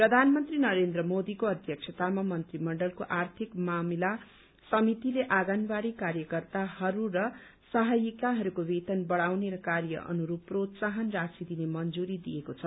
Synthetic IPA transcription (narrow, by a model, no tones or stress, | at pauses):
prʌd̪ʱanmʌnt̪rinʌɾend̪rʌmod̪ikoʌd̪ʱjʌkt͡sʰʌt̪amamʌnt̪rimʌɳɖʌlkoʔart̪ʰikmamila | sʌmit̪ileʔaɡanbaɽikaɾjʌkʌrt̪ahʌɾuɾʌ | sʌɦʌjikaɦʌɾukobet̪ʌnbʌɽawneɾʌkarjʌ̰ʔʌ̰nuɾuprod̪saɦʌnrasid̪inemʌnd͡zuɾid̪ijekot͡sʰʌ